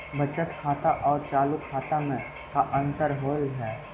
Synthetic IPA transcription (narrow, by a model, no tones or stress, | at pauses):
bʱɐt͡ʃət̪kʰaːt̪aʔɔːɾt͡ʃaːlukʰaːt̪amẽ | kaʔə̃nt̪əɾɦoːlɦɛː